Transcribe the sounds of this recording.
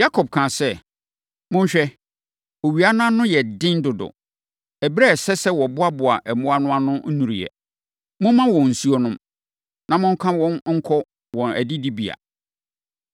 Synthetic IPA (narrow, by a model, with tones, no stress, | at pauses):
ja˦kʰɔ˨b̚kʰã˨sɛ˦˨ | mʊ̃˦ɲ̩˦ɕᶣɛ˦ | o˨ɥi˨a˦nã˦nʊ̃˦jɛ˨dɪ̃˦n˦dʊ˨dʊ̰˨ | ɛ˨bɾɛ˦˨sɛ˦sɛ˦wɔ˨bʊ˦a˦bʊ˨a˨ʔɛ˨mʊ̃˦a˦nʊ̃˦a˦nʊ̃˦nũ˨ɾi˨jɛ̰˨ | mʊ̃˦mã˦wɔ̃˨n̩˨su˦ɔ˦nʊ̃˦m | nã˨mʊ̃˦ŋ˦kʰã˦wɔ̃˦nŋ̩˦kʰɔ˦ | wɔ̃˨næ̰˨di˦di˦bi˨a̰˨